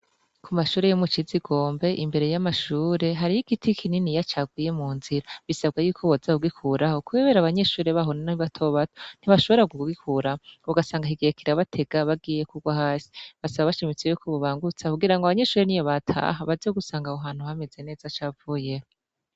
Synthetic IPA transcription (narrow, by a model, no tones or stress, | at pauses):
kʰumaʃuːɾejomut͡ʃiziɡo̞ːmbe̞ʔimbe̞ɾe̞jamaʃuːɾe̞ɦaɾijiɡitʰikʰininijat͡ʃaɡwiːje̞muːnziɾaβisabɡajukʰoβozauɡikʰuɾaho̞kueːβe̞ɾaβaɲe̞ʃuːɾe̞βaɦonanaiβatʰoβatʰo̥n̥iβaʃo̞βo̞ɾaɡuɡikʰuɾaβuɡasaːŋɡaɦiɡeekiɾaβatʰe̞ɡ̥aβaɡiːje̞kuɡwahaːsi̥βasaβaβaʃimit͡sejuːkʰoβoβaːŋɡut͡sakuɡiɾaŋɡoaβaɲe̞ʃuːɾenijoβatʰa̰ɦaβazioɡusaːŋɡahoɦaːn̥huhame̞d͡ze̞ne̞ːzat͡ʃaːvuje̞ho